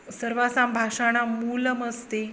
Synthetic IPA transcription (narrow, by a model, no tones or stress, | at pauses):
səɾʋasambʱaʂaɽ̃amuləməst̪e